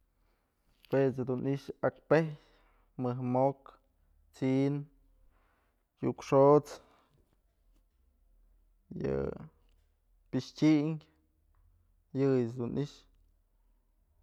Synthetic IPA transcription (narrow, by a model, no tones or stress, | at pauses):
pwet͡sd̪unʔiʔʃakpehj | mɨɦmok | t͡sin | jukʂot͡s | jɨ̰ | piʃtʲiŋʲ | jɨjɨsd̪unʔiʔʃ